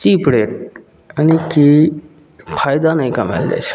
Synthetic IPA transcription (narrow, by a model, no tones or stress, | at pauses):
t͡ʃiːpɽeːʈ | əniki | pʰaːjd̪anəĩkəmḛld͡ʒḛt͡ʃʰ